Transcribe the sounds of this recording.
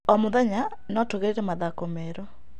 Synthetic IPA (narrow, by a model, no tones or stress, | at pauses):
ɔmoðaɲa | nɔtoɣeɾeɾɛmaðakomɛɾo